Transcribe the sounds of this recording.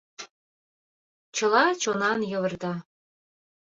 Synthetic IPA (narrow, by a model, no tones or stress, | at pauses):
t͡ɕɤ̆lɑt͡ɕonɑnjɤ̆βɤ̆rd̪ɑ